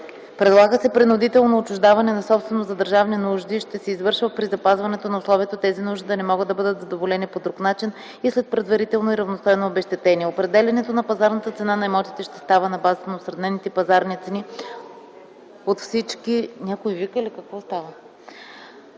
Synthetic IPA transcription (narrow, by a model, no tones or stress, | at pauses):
pɾɛd̪lˠaɡəsɛpɾinʊd̪it̪ɛlˠnoːt͡ʃʊʒd̪avɐnɛnɐsɔpst̪vɛnozɐd̪əɾʒavninuʒd̪iʃt̪ɛsɛizvɤɾʃvəpɾizɐpazvɐnɛt̪onɐʊslˠɔviɛt̪ot̪ɛzinuʒd̪id̪ɐnɛmɔɡəd̪ɐbɤd̪ət̪zɐd̪ovolɛnipod̪ɾuknat͡ʃin | islɛt̪̚pɾɛd̪vɐɾit̪ɛlˠnoiɾɐvnost̪ɔjnoːbɛʃt̪ɛt̪ɛnʲiɛopɾɛd̪ɛlʲɐnɛt̪onɐpɐzaɾnət̪ət̪sɛnanɐɛmɔt̪it̪ɛʃt̪ɛ̥st̪avənɐbazət̪ənɐosɾɐd̪nɛnit̪ɛpɐzaɾnit̪sɛni | ot̪fsit͡ʃkinʲakoivikəlikɐkvɔst̪avə